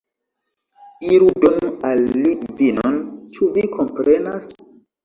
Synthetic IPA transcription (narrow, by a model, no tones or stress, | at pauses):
iɾudonalːivinont͡ʃuvikʰompɾenas